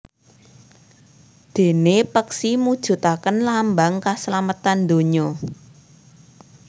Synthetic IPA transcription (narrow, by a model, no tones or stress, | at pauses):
d̪̥e̤nepəksimud̥ʒ̥ṳt̪akənlambaŋkaslamət̪and̪oɲɔ